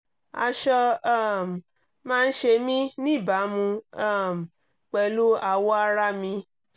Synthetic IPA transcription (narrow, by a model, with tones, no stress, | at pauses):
a̰˧ʃɔ˧a˦˨m˨ | mãː˦˧n̩˦ʃe˧mĩ˦nĩ˦˨ba˨˦mũ˧a˦˨m̩˨ | k͡pɛ˧˨lu˦a˧˨wɔ˦a˧ɾa˦mĩ˧